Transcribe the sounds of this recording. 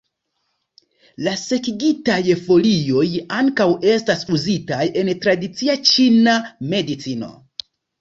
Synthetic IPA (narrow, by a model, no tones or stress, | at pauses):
lase̞kiɡitajfo̞lio̞jaŋkawe̞stasuzitajʔe̞ntɾadit͡siat͡ʃiname̞dit͡sino̞̰